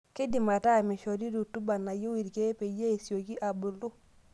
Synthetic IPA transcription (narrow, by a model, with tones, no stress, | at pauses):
ke˦di˨ma˨ta˦˨mɪ˨ʃɔ˨di˦ɾu˨tu˦ba˨na˨jo˦wi˨ɾke˦pe˨je˦e˨sjo˨ki˦ʔa˨bu˨ldu˦